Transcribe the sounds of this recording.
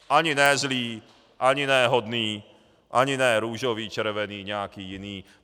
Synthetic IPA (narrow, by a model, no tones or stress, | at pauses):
aɲinɛzliː | ʔaɲinɛɦɔd̪niː | ʔa̰ɲinɛɾuːʒɔʋiːt͡ʃɛɾʋɛniːɲɛakiːiniː